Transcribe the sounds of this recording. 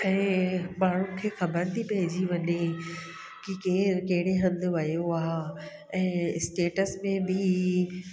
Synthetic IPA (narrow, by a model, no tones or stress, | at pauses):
ɛ̃ːmaːɳ̤ũkʰeːxɐbəɾt̪ʰipɐɦɪd͡ʑiʋɐɲe | kikekɐɦɪɽ̃eɦɐ̃nd̪ʋɐjoaː | ɛ̃ːsʈeːʈəsmẽbʱɪ